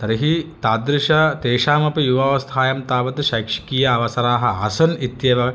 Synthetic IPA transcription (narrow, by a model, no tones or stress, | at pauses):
t̪ɐɾiɦit̪aːd̪ɾiʂɐt̪eːʂaːmɐpijuʋɐːʋɐst̪ʰaːjɐmt̪aːʋɐt̪iʃɐjkʂi̥kiːjɐːʋɐsɐɾaːɦɐɐ̰sɐnit̪jeːʋɐ